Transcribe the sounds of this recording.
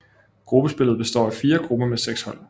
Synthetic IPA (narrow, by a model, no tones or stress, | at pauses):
ɡ̥ʁub̥əsb̥e̝l̰ð̩ˠb̥e̝sd̥ɒ̰ːæfiːɐɡ̥ʁub̥ɐmeseɡ̥shɒ̽l̰